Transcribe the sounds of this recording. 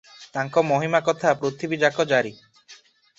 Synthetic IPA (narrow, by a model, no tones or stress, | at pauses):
t̪aŋkɔmɔɦimakɔt̪ʰapɾot̪ʰibid͡ʒakɔd͡ʒaɾi